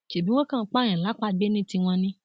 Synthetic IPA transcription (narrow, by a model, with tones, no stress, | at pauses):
ʃe˨bi˦w̃ɔ̃˦kã˦˧˦k͡pã˦ɛ̃˨la˨˦k͡pa˦ɡ͡be˦nĩ˦ti˧w̃ɔ̃˧nĩ˦